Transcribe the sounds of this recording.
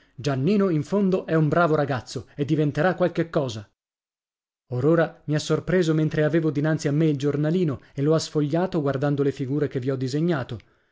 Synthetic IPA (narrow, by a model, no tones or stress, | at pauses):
d͡ʒanːiːnoiɱfond̪oʔɛumbɾaːvoɾaɡat̪sːoed̪ːivent̪eɾakːwalkekːɔːza | oɾoːɾamiasːorpɾeːzoment̪ɾeaveːvod̪inant̪siamːeild͡ʒornaliːnoelːoasfoʎːaːt̪oɡward̪and̪olefiɡuːɾekevːiɔd̪ːizeɲːaːt̪o